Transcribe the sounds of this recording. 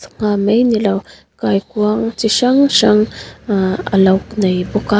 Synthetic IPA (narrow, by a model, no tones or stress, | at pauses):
ŋamejnilaw | kajkuaŋt͡siʃaŋʃaŋ | a̰lawkinajboka